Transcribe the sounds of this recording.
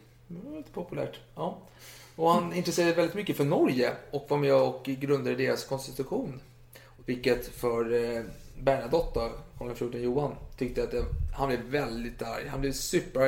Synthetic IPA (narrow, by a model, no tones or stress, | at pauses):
liːt̪ə̥pʰɔpɵlæ̰ːʈɑː | ɔhanɪnt̪ɾɛseːɾad̪əvɛld̪ɪt̪mʏkːəfœɳɔɾjəɔkvamɛɔkɡɾɵnd̪ad̪əd̪eːɾaskʰɔnst̪ɪt̪ɵɧuːn | vɪlkːət̪fœɾ | bæːɳad̪ɔt̪ːək̪ʰlɔkːanfjuːʈːɔnjuːant̪ʰʏk̚t̪əat̪̚ɛhanblɛvvɛld̪ɪt̪a̰ɾjhanblɪvsʉːpːə